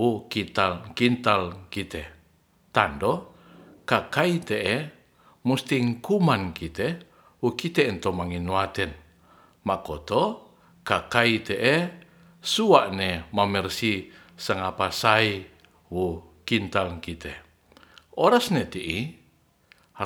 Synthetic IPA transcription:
wukit̪alkint̪alkit̪ɛ | t̪ando | kakait̪eʔɛ | must̪iŋkumankit̪ɛ | wukit̪ɛɛnt̪omaŋinuat̪ɛn | makot̪o | kakait̪ɛʔɛ | suaʔnemamɛrsi | saŋapasai | wu | kint̪alkit̪ɛ | ʔoɾasnet̪iʔi

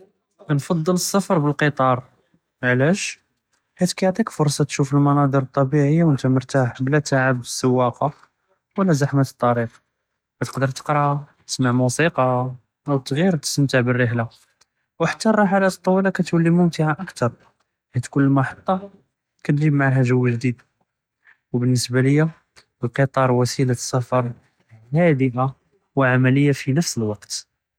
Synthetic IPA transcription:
nfɑd̪ˤːələsːəfɾˤbəlqət̪ˤɑɾˤ | ʕlæʃ | hæd̪kæjʕt̪ˤikfʊɾsˤɑt̪ʃufəlmɑnɑd̪ˤəɾət̪ˤːɑbiʕəjːawənt̪æməɾt̪aħblæt̪aʕəbəsːəwːɑqɑ | wlæzaħmət̪ət̪ˤːɑɾiq | bæt̪ə̥qd̪əɾt̪ə̥qɾˤɑt̪ə̥smaʕmusiqɑ | wt̪ːɣiɾt̪ə̥smt̪aʕbərːəħla | wħḁt̪ːɑrˤɑħalæt̪ˤːɑwːilækæt̪wælːimʊmt̪ɪʕaʔəkt̪ɑɾˤ | hæd̪kʊlːmɑħət̪ˤːɑ | kæd̪ʒibmaʕaɦæʒəwːʒd̪id̪ | wbənːəsbaləjːa | əlqət̪ˤɑɾˤwæsilasːɑfɑɾˤ | hæd̪əʔa | wʕamæləjːafinəfsəlwɑqt̪

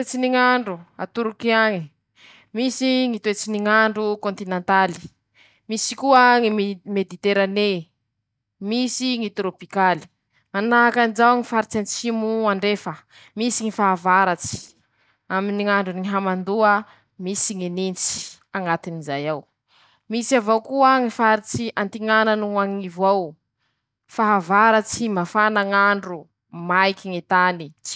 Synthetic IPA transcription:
et͡siniŋaɳɖ͡ʐua̰t̪uɾukiaŋi | misiŋit̪uet͡siniŋaɳɖ͡ʐukont̪inent̪ali̥ | misi̥kuəŋimed̪it̪eɾane | misiŋit̪ɾopikali̥ | manaɦakanid͡ʒawŋifaɾit͡sant͡simuaɳɖ͡ʐefə | misiŋifaɦavaɾat͡si̥ | aminiŋaɳɖ͡ʐunɲiɦamand̪uə | misiŋinint͡si̥ | aŋat̪inizajaw | misavowkuəŋifaɾit͡siʔant̪iŋananuaŋivaw | faɦavaɾat͡simafanaŋaɳɖ͡ʐu | majkiŋet̪ani̥

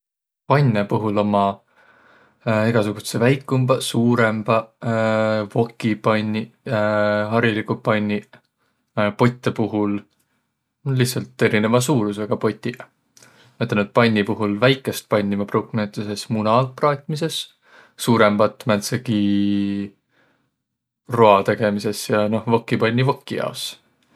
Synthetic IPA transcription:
pɑnʲːepuɦulo̞mɑ | iɡ̥ɑsuɡ̥usevæjkːˑumb̥ɑsuːɾe̞mb̥ɑ | vo̞kːˑipɑnʲːi | ɦɑɾilikupɑnʲːi | po̞t̪ʲːˑepuɦul | lihsɑlt̪ːˑe̞ɾine̞vɑs̬uːɾus̬eɡ̥ɑpo̞t̪ʲːˑi | met̪ːˑenut̪̚pɑnʲːipuɦulvæjkːˑe̞st̪̚pɑnʲːimɑprowkmet̪ːˑuse̞smunɑprɑːt̪ʲˑmise̞s | suːɾe̞mb̥ɑt̪mænt̪seki | ro̞ɑt̪e̞ɡ̥e̞mise̞sjɑno̞hvokːˑipɑnʲːivokːˑijɑ̰os

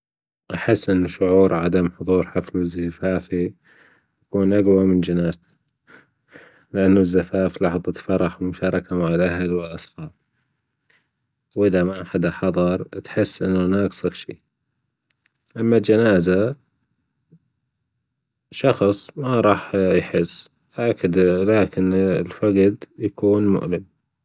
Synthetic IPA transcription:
ʔaħɪsːʔɪnːʊʃʊʕuːɾʕad̪amħʊðˤuːɾˤħaflɪzafaːfi | j̪akuːnʔaɡwamɪnd͡ʒanaːzt̪ḁ | lɪʔanːʊzːafaːflɑħðˤɑt̪fɑɾˤɑħmʊʃɑːɾˤɑkamaʕɪlʔaɦlwɪlʔɑsˤxɑːb̚ | wʔɪðamaħad̪aħɑðˤɑɾˤt̪ħɪsːʔɪnːhnaːksˤɨɡʃḭ | ʔamːald͡ʒanaːza | ʃɑxsˤmaɾˤɑːħjħɪsː | ʔakːd̪laːkɪnlfaɡd̪jakuːnmʊ̰ʔlɪm

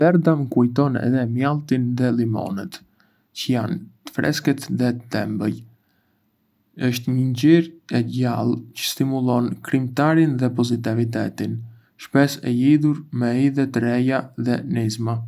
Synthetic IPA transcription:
vɛɾd̪amkujt̪ɔnɛ̰ðɛmjalˠt̪inðɛlimɔ̰nɛt̪ | cəjant̪ə̥fɾɛ̰skɛt̪ðɛt̪ɛ̰mbəj | əʃt̪ɲəɲɟiɾɛɟalˠcə̥st̪imulˠɔnkɾimt̪aɾinðɛpɔzit̪ɛvit̪̬ɛt̪in | ʃpɛsɛ̰liðuɾmɛiðɛt̪əɾɛjaðɛnizma

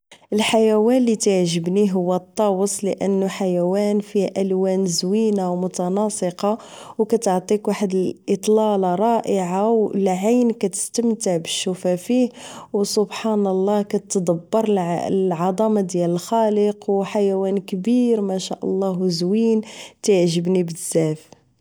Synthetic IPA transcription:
ʔəlħajæwænlit̪aʕʒəbniɦʊwːæt̪ˤːɑwəsˤləʔə̰nːuħajæwænfiʔælwænzwinawmʊt̪ɑnɑsˤəqɑ | wkæt̪ʕt̪ˤikwaħəd̪əlʔət̪ˤlɑlɑɾˤɑʔəʕawlʕajnkæt̪ə̥st̪əmt̪əʕbəʃːufæfihwsobħɑnəlˤːɑhkæt̪d̪ɑbːɑɾˤʕɑd̪ˤɑmɑd̪jæləlxɑləqwħajæwænkbiɾmæʃæʔə̰lˤːɑhwzwint̪jʕʒəbnibəzːæf

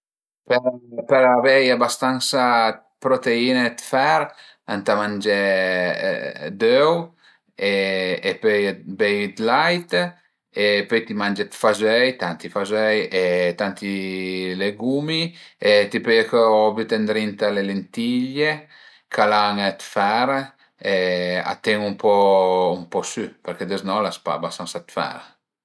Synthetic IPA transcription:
peɾpeɾavejabast̪ansa | pɾot̪einet̪fɛɾ | a̰nt̪amand͡ʒḛ | d̪øw | eepøjbejt̪lajt̪ | epøjt̪imand͡ʒet̪fazɛjt̪ant̪ifazɛjet̪ant̪ileɡumiet̪ipøjakøɔvjut̪end̪ɾint̪alelent̪iʎe | kʰalaŋet̪faɾ | ea̰t̪eŋumpɔumpɔsypɛɾked̪eznɔlaspa̰basansat̪fa̰ɾ

